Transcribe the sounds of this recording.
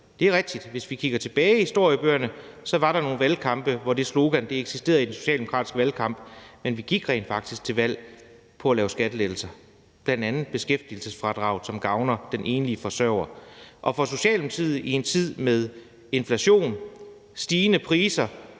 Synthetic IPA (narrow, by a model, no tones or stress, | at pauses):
d̥e̝æɐʁɛɡ̥̚d̥id̥ʋe̝sʋikʰiɡ̥ɐt͡sʰe̝b̥ɛːɪihisd̥o̝ɐ̰jəb̥øːɐnəsɒ̽ʋɑ̈ɾɑ̈no̝ːn̩ʋælkʰɑ̈mb̥əʋɒd̥e̝slo̝ɡ̥ænd̥e̝eɡ̥sisd̥e̝̰ːɐðˠidenso̝ɕɛ̰ːld̥emo̝kʰʁɑ̰d̥isɡ̥əʋælkʰɑ̈mb̥menʋiɡ̥iɡ̥ʁɛ̰ɪnfɑ̈ɡ̥d̥isɡ̥̚t͡sʰe̝lʋæl̰ | pʰɒ̽ælɛːʊsɡ̥æd̥əleð̥l̩sɐ | b̥lænd̥ænð̩ˠb̥e̝sɡ̥efd̥il̩səsfʁɑ̈d̥ʁɑ̈ʊ̰lsɒ̽mɡ̥ɑ̈ʊnɐd̥enʔe̝ːnliəfɒ̽sɶɐʊ̰ɐʔɒ̽fɒ̽s̬o̝ɕɛ̰ːlmt͡sʰið̰ˠie̝nt͡sʰið̞̰ˠmeð̞ˠ | e̝nflæɕo̝̰ːn | sd̥iːnəpʰʁiːsɐ